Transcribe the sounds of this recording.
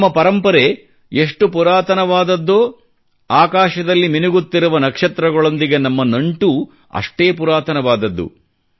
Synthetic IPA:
mːɐpɐɾɐmpɐɾe | eʂʈupuɾaːt̪ɐnɐʋaːd̪ɐd̪ːoː | aːkaːʃɐd̪ɐlːiminuɡut̪ːiɾuʋɐnɐkʂɐt̪ɾɐɡɐɭo̞nd̪iɡe̞nɐmːɐnɐɳʈu | ɐ̰ʂʈeːpuɾaːt̪ɐnɐʋaːd̪ɐd̪ːṵ

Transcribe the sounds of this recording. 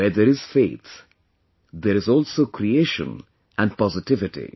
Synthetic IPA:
ɛd̪eɾɪz̥feːt̪ʰ | d̪eɾɪzɔːlsoːkɾieːʃə̰̃n | ʔæ̃nɖpɔzɪʈɪʋɪʈḭ

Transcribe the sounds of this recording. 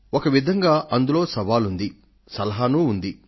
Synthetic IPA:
okɐʋid̪ʱɐŋɡaːʔɐnd̪ulo̞ːsɐʋaːlund̪i | sɐlɐɦaːnuːnd̪i

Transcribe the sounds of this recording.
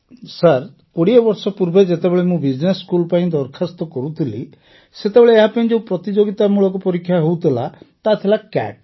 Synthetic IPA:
saɾ | kɔɽiɔbɔɾsɔpuɾbed͡ʒet̪ebeɭemũbid͡ʒneskulpaĩd̪ɔɾkʰast̪ɔkɔɾut̪ʰilḭ | set̪ebeɭeːɦapaĩd͡ʒeũpɾɔt̪id͡ʒoɡit̪amuɭɔkɔpɔɾikʰːjaɦowt̪ʰilat̪at̪ʰilakɛ̰ʈ̚

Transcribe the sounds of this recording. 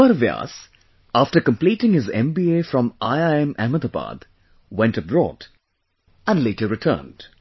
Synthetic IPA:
mʌɾvia̰s | afʈəɾkə̃mpliːʈɪ̃ŋhɪzɛ̰̃mbieːfɾɔ̃maɪaɛ̃mʔæməd̪əpa̰d̪̥ | wɛ̃ntʌbɹɔ̰ːd | æ̃nleɪʈəɾɨtʰə̰ːnd̥

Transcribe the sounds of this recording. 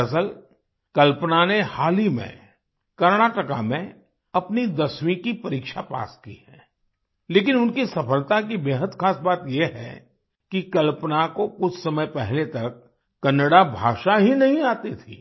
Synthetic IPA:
ɐsəl | kɐlpnanehaːlimḛ̃ | kɐɾnaːʈəkamẽ | ɐpnid̪ɐswĩkipɐɾiːkʃapa̰ːskḭhɛ̃ː | leːk̬ɪnʊnkisɐfəlt̪ak̬ibeːɦəd̪xaːsbaːt̪jeɦɛ̰ | kikɐlpənakokʊt͡ʃʰsɐməjpɛɦlet̪ɐkː | ɐnəɽabʱa̰ːʃaɦinɐɦĩaːt̪it̪ʰḭː

